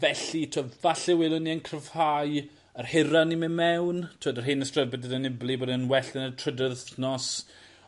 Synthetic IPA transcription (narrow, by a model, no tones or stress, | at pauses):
vɛɬitʰovaɬɛwɪləniənkʰrəv̥haj | ərhɪɾanimɪmɛwntʰoːdərɦenəstrəbɛdədənɪblˠiboːdnwɛɬɪnətʰrədəθnɔs